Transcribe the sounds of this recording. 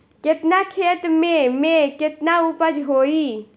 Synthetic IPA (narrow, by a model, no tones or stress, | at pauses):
ket̪nakʰet̪memeket̪naupəd͡ʒɦoi